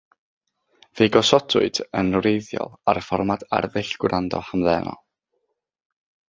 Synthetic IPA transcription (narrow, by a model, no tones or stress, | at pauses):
v̥eːɡɔsɔtʰʊɨd̥ənwrejðjɔ̰lˠarfɔrmada̰rðɪɬɡ̥wrandɔ̰hamðɛnɔ̰lˠ